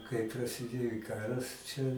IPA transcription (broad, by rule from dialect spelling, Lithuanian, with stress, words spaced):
kɐɪp prɐsʲɪˈdʲeːjoː ɪ ˈkɑːrɐs t͡ʃʲɛ